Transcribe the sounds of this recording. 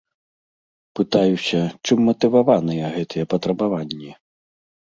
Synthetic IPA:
pɨt̪ajusʲɐt͡ʂɨmːɐt̪ɨvavanɨjɛɣɛt̪ʰɨjɛpɐt̪ɾɐbavanʲːɛ

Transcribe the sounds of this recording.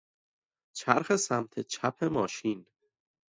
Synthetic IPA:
t͡ʃʰæɾxe̞sæmt̪ʰet͡ʃʰæpʰe̞mɒːʃin

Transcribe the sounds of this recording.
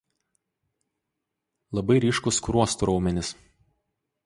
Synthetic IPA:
lˠɐbɐɪɾʲiːˑʃkʊskɾuɔst̪ʊɾɒʊmʲɛnʲɪs

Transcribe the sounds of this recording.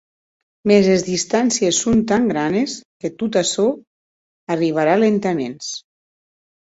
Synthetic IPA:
mezezðist̪ansiesːont̪aŋɡɾanesket̪ut̪aso | ariβ̞aɾalent̪amens

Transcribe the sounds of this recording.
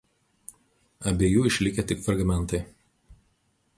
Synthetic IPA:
ɐbʲeːjuːɪʃʲlʲɪkʲet̪ʲɪkfɾɐɡmʲɛnˑt̪ɐɪ

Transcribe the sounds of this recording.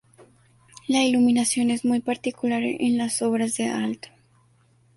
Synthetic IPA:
lailuminasjo̞nezmujpaɾt̪ikulaɾḛnlasoβɾazðealt̪o̥

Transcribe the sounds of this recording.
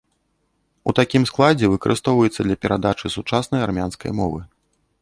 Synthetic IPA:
ut̪akʲimsklˠad͡zʲɛvɨkɐɾʔɨst̪ɔwvɐjɛt̪sːɐd̪lʲɐpʲɛɾʔad̪at͡ʂɨsut͡ʂasnɐjarmʲanskɐ̰jmɔvɨ

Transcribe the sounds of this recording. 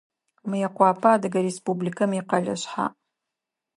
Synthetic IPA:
mɨjɐqʷɑːpʰaːdɨɡɐɾespublikʰɐmiqɐɮɐ̰ɕħa̰

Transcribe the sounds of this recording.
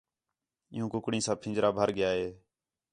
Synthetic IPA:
ɪ̰jũːkʊkɽĩːsãːpʰɪ̃ːd͡ʒɾaːbʱəɾɡɪjaːɦeː

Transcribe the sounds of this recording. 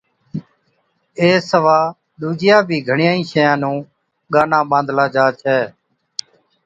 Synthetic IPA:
eːsəʋaː | ɗ̪uːd͡ʒɪjaːbʱiːɡʱəɳɪjãːĩːʃəjãːnũː | ɠaːnãːɓãːnd̪ʱlaːd͡ʒaːt͡ʃʰɛː

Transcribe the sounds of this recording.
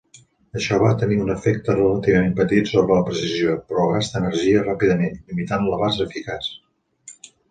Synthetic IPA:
əʃɔβat̪əniunəfɛk̚t̪ərələt̪iβ̞əmempət̪it̪soβɾələpɾəsiziopɾɔɣast̪ənəɾʒiərapiðəmenlimit̪anləβazəːfikas

